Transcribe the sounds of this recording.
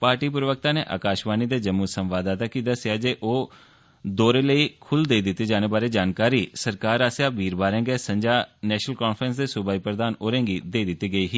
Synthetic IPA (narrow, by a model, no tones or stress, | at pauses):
paːɾʈiːpɾəʋək̚t̪ãːnḛːʔa̰ːkaːʃbaːniːd̪eːd͡ʒəmːusə̃mʋaːd̪aːt̪aːkiːd̪əsɪjaːd͡ʒeːʔoː | d̪oːɾeːləiːkʰʊld̪eːd̪ɪt̪ːeːd͡ʒaːneːbaːɾeːd͡ʒaːnkaːɾiːsəɾkaːɾaːsjaːbʱiːɾbaːɾɛ̃ːɡeːsə̃ɲd͡ʒaːnɛːʃnəlkɔːnpʰɾəns̬d̪eːsʊbaːiːpɾəd̪aːnoːɾẽːŋɡiːd̪eːid̪ɪt̪ːiːɡəiːɦiː